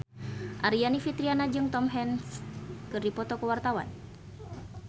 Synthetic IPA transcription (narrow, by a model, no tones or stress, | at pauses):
ʔaɾianifit̪ɾianad͡ʒɨŋt̪ɔmɦɛnskɨrdipɔt̪ɔkəwart̪awa̰n